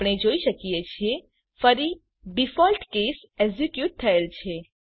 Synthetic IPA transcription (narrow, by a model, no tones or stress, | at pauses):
pɽ̃ed͡ʒoisəkiet͡ʃʰie | pʰəɾi | bifɔlʈkes | eɡzikjuʈ̚t̪ʰəelt͡ʃʰe